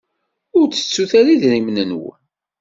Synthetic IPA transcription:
ʊɾt͡sːə̥t͡sːuθæɾiðɾimnənw

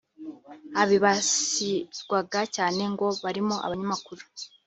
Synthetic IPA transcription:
aβiβasizɡwaɡacaːne̞ŋɡo̞βaɾimoʔa̰βaɲamakuɾu̥

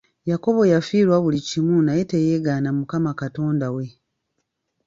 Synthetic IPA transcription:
jako̞βo̞jafiːɾwaβulicimunajeteje̞ːɡaːnamukamakato̞ːndawe̞

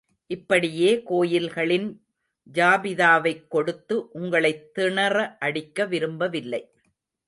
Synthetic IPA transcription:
ʔɪpːɐɽɪjeːkoːjɪlɣɐɭɪn | d͡ʒaːbɪðaːʋɐɪkːɔɽɯt̪ːɯʔʊŋɡɐɭɐɪt̪ːɪɳɐɾɐʔɐɽɪkːɐʋɪɾɯmbɐʋɪlːɐɪ

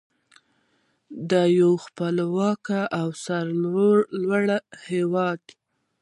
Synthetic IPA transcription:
d̪əjawxpəlwɑkaʔawsaɾlɾolwaɽahewɑd̪

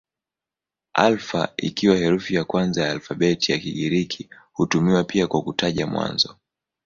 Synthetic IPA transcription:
alfa̰ḭkiwahɛɾufijakwanzajaːlfaɓɛtʰijakiɠiɾikʰi | hutumiwapiakwakutaʄamwa̰nzɔ

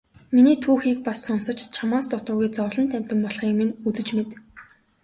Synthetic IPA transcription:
miniːt̪ʰuːxiːk̚pasːʊnsə̆t͡ɕt͡ɕʰamaːst̪ʊt̪ʊːɣujt͡sɔwɮɞ̆nt̪ʰæm̥ʲt̪ə̆mpɔɮχiːkmĭnut͡sɘ̆t͡ɕmet̪

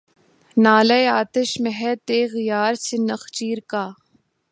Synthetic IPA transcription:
naːlɐjaːt̪ɪʃmɛɦɛt̪eːɣɪjaːɾsɪnɐxt͡ʃiːɾkaː

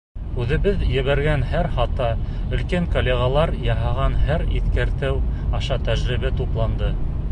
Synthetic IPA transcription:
ʉðɘ̆βɘðjɘ̆βæɾɡænɦæɾχɑt̪ɑ | ɵ̆lkæŋkolʲːeɣɑlˠɑɾjɑɦɑʁɑnhæɾḭθkæɾt̪ɘwɑʃɑt̪æʒɾɘ̆βæt̪uplˠɑnd̪ɤ

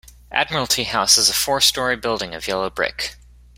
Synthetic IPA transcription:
ʔæ̰d̚mə˞l̩ˠtʰihaʊsəzəfɔɹstɔɹibɪlˠdɪ̃ŋʌvjɛlˠoʊbɹɪ̰k

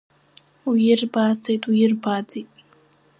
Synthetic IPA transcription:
ujɪrbaːd͡zejtʼujɪrbad͡zejtʼ

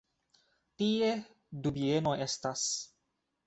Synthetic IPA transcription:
tie̞ | dubie̞no̞ʔe̞stas

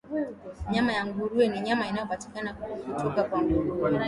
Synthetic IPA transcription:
ɲamajaŋɡuɾuwɛniɲamainajɔpati̥kanakukutɔkakwaŋɡuɾuw

